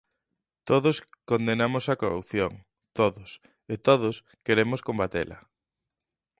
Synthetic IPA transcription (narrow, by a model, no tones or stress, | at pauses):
t̪oðoskond̪enamosɐkorupθjoŋ | t̪oðʊs | et̪oðʊs | keɾemoskombat̪ḛlɐ̰